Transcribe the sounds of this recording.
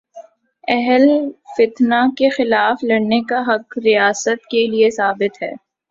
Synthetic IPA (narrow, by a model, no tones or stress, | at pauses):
ɛɦəlfɪt̪nakexɪlaːflɐɽnekaɦɐqɾijaːsət̪keliesaːbɪt̪ɦɛ̰ː